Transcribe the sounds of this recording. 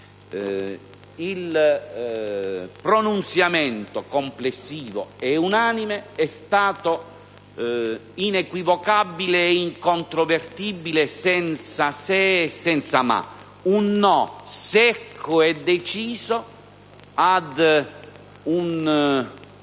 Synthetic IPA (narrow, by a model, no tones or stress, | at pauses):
il | pɾonunt̪sjamɛnt̪okomplesːiːvo̰ɛunaːnimeɛst̪aːt̪o | inekwivokabːileːiŋkont̪ɾovert̪ibilesɛnt̪sasɛsɛnt̪sama̰ | unːɔsɛkʰːʊɛd̪ːet͡ʃiːzo | ad̪ | un